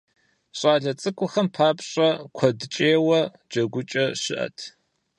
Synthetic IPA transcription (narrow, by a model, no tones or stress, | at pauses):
ɕʼaːɮɐt͡sʼɨkʷʼʊχɐmpʰaːpɕʼɐkʷʰɐdɨt͡ʃʼeːwɐ | d͡ʒɐɡʷʊt͡ʃʼɐɕɪ̰ʔɐ̰tʰ